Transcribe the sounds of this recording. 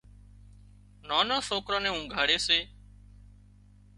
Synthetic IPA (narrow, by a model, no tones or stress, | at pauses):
naːnãːsoːkɾãːnẽːũːɡʱaːɽeːseː